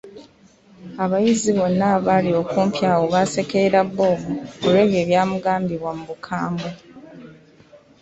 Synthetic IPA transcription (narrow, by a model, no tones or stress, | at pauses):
aβajiziβo̞nːaβalio̞ːkuːmpjaːwoβase̞keɾaβːo̞ːβuoɾwe̞ːβje̞ːβjaːmuɡaːmbiβwamuβukʰaːmbo